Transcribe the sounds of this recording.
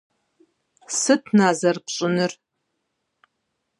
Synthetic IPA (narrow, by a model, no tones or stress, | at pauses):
sɨtʰnaːzɐrpɕʼɪnɨr